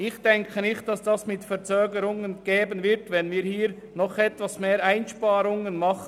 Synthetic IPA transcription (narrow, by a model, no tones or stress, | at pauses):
ɪxd̥ɛŋkʰənɪxt̚d̥ɑsd̥ɑsmɪtfɛɾt͡søːɡəɾʊŋənɡ̥eːbənvɪɐtvɛnviːɾhiːɾ | nɔχɛtvɑsmeːɾaɪnʃpɑːɾʊŋənmɑχə